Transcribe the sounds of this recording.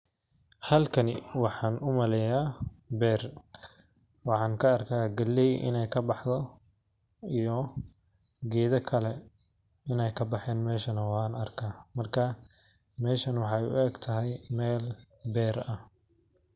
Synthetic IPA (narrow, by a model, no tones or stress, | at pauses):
hɐlkʰɐnɪwɑħɑːnʔʊmɐlɛjaːbɛːr | wɑħɑːŋkʰɐːrkʰaːɡɐlːɛjʔɪ̰nɛjkʰɐbɑħðɔ | ijɔ | ɡɛːðɐkʰɐlɛ | ɪnɛjkʰɐbɑħɛːnmɛːʃɐnɐwaːnɐrkʰaːmɐrkʰɐ | mɛːʃɐnwɑħɑjʊ̰ʔɛːɡt̪ʰɐɦɛjmɛːl | bɛːrɐh